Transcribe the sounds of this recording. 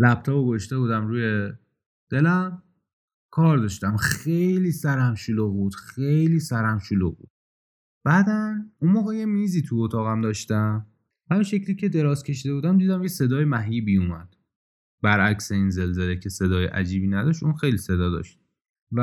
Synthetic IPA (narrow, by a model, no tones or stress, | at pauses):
læp̚t̪ʰɒboɡoʃt̪e̞buːd̪æmɾuːje | d̪̥e̞læm | kʰɒːɾd̪ɒʃt̪æmejliːsæɾæmʃuluɣbud̪̥xejliːsæɾæmʃulṵɣbṵd̪̥ | b̥æːd̪ænunmoːɣeje̞miːziːt̪ʰuot̪ʰɒːɣæmd̪ɒːʃt̪æm | hæminʃe̞cliːcʰe̞d̪eɾɒːz̥cʰe̞ʃiːd̪e̞buːd̪æmd̪iːd̪æmjese̞d̪ɒːjemæɦjiːbijumæ̰d̪̥ | bæɾæcse̞inze̞lzelecʰe̞se̞d̪ɒːjeʔæ̰d͡ʒiːbiːnæd̪ɒːʃt̪unxe̞jlise̞d̪ɒːd̪ɒ̰ʃt̪̚ | væ